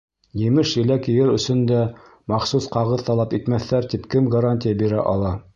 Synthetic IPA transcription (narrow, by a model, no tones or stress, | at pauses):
jɘ̆mɘʃjɘ̆lækjɘ̆jɘɾɵ̆sɵ̆nd̪æ | mɑχsusqɑʁɤðt̪ɑlˠɑpit̪mæθːæɾt̪ipkɘmɡɐɾanʲtʲɪjabiɾæ̰ʔɑ̰lˠɑ